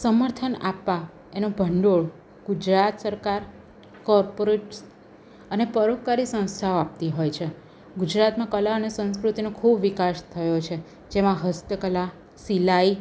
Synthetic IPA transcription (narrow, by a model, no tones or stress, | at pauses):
səməɾt̪ʰənapːa | enobʱəɳɖoɭ | ɡ̥ud͡ʒɾat̪səɾkaɾ | kɔɾpoɾeʈs | ənepəɾokːaɾisə̃w̃st̪ʰaoap̚t̪iɦojt͡ʃʰe | ɡud͡ʒɾat̪mãkəlaənesə̃ñskɾut̪inõkʰubʋikaʃt̪ʰəjot͡ʃʰe | d͡ʒemãɦəst̪əkəla | silai